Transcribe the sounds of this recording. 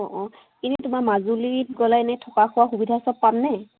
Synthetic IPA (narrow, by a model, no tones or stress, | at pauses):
ɔʔɔ̃ | kinɛtumamazuliit̚ɡɔlajnɛtʰɔkakʰʊwaxubidʱasɔp̚pannɛ